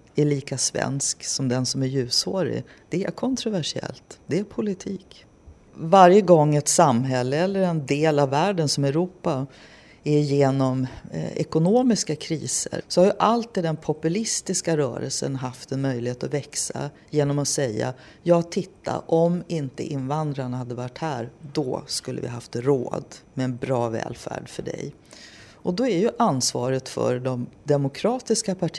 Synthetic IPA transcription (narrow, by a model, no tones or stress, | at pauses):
æɭiːkasvɛ̰nsksɔmd̪ɛnsɔmæɾjʉ̟ːshoːɾɪ̰ | d̪̥ɛæ̰ɾkʰɔnt̪ɾʊvæʂɪɛ̰lt̪d̪ɛæɾpʰʊlɪt̪ʰiːk | vaɾjəɡɔŋːɛt̪samːɦɛlːəɛlːəɾɛnd̪eːlavːæːɖənsɔmɛʉɾuːpːa | æɾjeːnɔmɛ̰kʊnoːmɪskakʰɾiːsə̰ɾsɔhaɾjɵʔalt̪ːiːd̪ɛnpʰɔpɵlɪst̪ɪskaɾœ̰ːɾə̰lsə̰nɦaft̪ɛnmœjlɪheːt̪ɔvɛksa̰ | jeːnɔmɔsɛjːa̰ | jɑːt̪ʰːɪt̪ʰːa̰ʔɔmɪnt̪ə̰ʔɪnvand̪ɾaɳahad̪ːəvaʈːhæːɾd̪ɔ̰skɵlːə̰vɪ̰ɦaft̪ɾo̰ːd̪mɛːnbɾɑːvɛ̰ːlfæ̰ːɖfœɖɛ̰j | ʔɔd̪ɔæɾjɵʔansvɑ̰ːɾət̪fœ̰ɾɖɔmd̪ɛmʊkʰɾɑːt̪ɪskapʰaʈʰ